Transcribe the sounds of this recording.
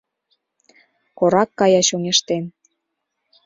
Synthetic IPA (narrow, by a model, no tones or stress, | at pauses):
koɾɑkːɑjɑʃoŋeʃt̪en